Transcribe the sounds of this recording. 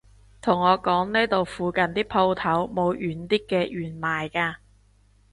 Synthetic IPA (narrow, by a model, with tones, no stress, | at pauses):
t̪ʰʊ˨˩ŋːɔː˨˧kɔː˨˥ŋne˥t̪o˨wfuː˨˧kɐ˨nt̪iː˥pʰo˧wt̪ʰɐ˨˥wmo˨˧wʔyː˨˥nt̪iː˥kːɛː˧jyː˨˩nmaː˨jkaː˧